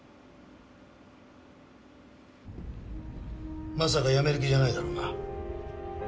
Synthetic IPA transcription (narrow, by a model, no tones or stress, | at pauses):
mas̬aɡajameɾɯk̬ʲid͡ʑanaid̪aɾonɡa